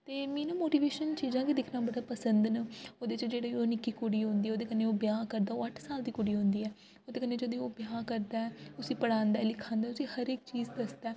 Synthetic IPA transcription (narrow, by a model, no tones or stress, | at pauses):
t̪eːmiːnõːmoːʈiːʋeːʃənt͡ʃiːzãːkiːd̪ɪkʰnaːbəɽaːpəsənd̪nəoːd̪eːt͡ʃd͡ʒeːɽeːoːnɪkiːkoɽiːɦõːnd̪iːɛoːd̪eːkəneːoːbɪjaːkəɾd̪aːoːəʈʰsaːld̪iːkoɽiːɦõːnd̪iːɛː | oːd̪eːkəneːd͡ʒəd̪eːoːbjaːkəɾd̪aːɛːʊsĩːpəɽãːnd̪aːlɪkʰãːnd̪aːʊsĩːhəɾek̚t͡ʃiːzd̪əsd̪aː